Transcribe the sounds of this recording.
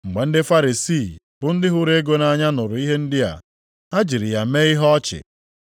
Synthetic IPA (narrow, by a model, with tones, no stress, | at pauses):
ŋ͡m̩˨ɡ͡be˨n̩˦dɪ˦fa˦ɾi˨si˦˨ | bʊ˦n̩˦dɪ˦ɦʊ˦ɾe˦ɡo˦na˨˦˨ɲa˦nʊ˨ɾʊ˨i˦ɦe˦n̩˦dɪ˦a̰˨ | a˦d͡ʒi˨ɾɪ˨ja˨me˦ɪ˦ɦɔ˦t͡ʃɪ̰˨